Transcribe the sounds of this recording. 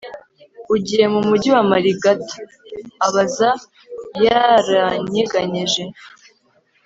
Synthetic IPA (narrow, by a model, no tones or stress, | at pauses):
uɟije̞mumuɟiwamaɾiɡati̥ | aβaza | jaɾaɲeɡaɲiʒe̞